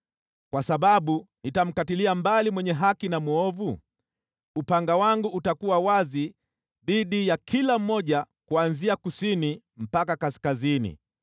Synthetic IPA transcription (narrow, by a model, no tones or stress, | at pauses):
kwasaɓaɓunitam̩katiliambalimwɛɲɛɦakinamuɔvu | upaŋɡawaŋɡuutakuwawazi | ðiɗijakʰilam̩ːɔʄa | kuanziakusini | m̩pakakaskazinḭ